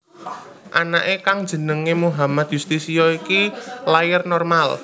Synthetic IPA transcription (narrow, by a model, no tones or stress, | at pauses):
ʔa̰naʔekaŋd̥d͡ʒ̥ə̤nəŋemuɦamad̪̥just̪isijɔikilajɪrnɔrmal